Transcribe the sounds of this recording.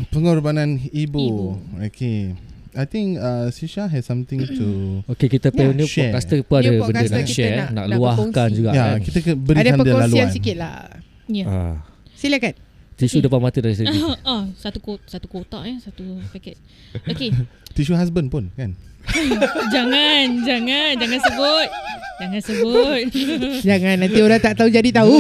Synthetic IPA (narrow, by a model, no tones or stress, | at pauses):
pəŋurbanãnibuokʰeajt̪ĩŋkasiʃaɦɛdsãmt̪ĩŋtʰuokekit̪əpɛniʃɛkast̪əpəadəbənənaʃɛnaʔluahkand͡ʒuɡaʔjakit̪əkəbəɾidaãnpədialaluasikɪt̪̚la̰h | jaa̰ | siliakant̪isudəpanmat̪ədaɾis̬əiɔsat̪ukot̪sat̪ukot̪a̰ʔjɛsat̪upɛkɛt̪̚ | oket̪iʃuɦas̬bənpʊnkan | d͡ʒaŋand͡ʒaŋand͡ʒaŋansəbʊt̪̚d͡ʒaŋãnsəbʊt̪̚d͡ʒaŋãnːãnt̪ioɾat̪aʔt̪aud͡ʒadit̪au